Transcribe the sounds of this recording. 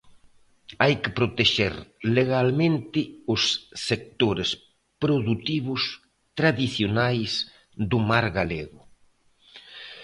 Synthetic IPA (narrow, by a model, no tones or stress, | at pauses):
ajkɪpɾot̪eʃḛɾleɣalmẽnt̪ɪʊsːek̚t̪oɾes | pɾoðut̪iβʊs | t̪ɾaðiθjonajs | d̪ʊmaɾɣaleɣʊ